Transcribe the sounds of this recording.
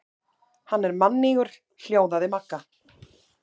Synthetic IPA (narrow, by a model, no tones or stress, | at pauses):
hanːɛɾmanːiɣʏɾ̥ | l̥joːwðaðɪmakːa